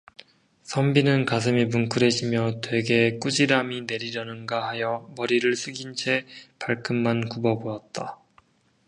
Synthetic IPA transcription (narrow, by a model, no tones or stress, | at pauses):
sʰʌmbinɯnkas̬ʰɯmimunkʰɯɾe̞ɕʰimjʌtwe̞ɡe̞k͈ud͡ʑiɾamine̞ɾiɾjʌnɯnɡahajʌmʌɾiɾɯɭsʰɯɡint͡ɕʰe̞paɭkʰɯmːankubʌboʌt̚t͈a